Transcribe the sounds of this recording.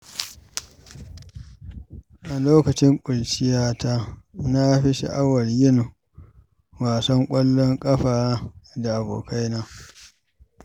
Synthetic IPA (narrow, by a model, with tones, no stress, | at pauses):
ʔa˨loː˦kɐ˨t͡ʃɪ˦ŋkʷʼʊ˨lt͡ʃɪ˦jaː˦taː˦na˦ɸi˦ʃḭ˦ʔa˦wɐ˨rjɪ˦n˨ | waː˨sɔ˦ŋkʷʼɐ˦lːɔ˦ŋkʼɐ˦ɸaː˨da˨ʔa˨bo̰ː˨kʰa˦jnaː˦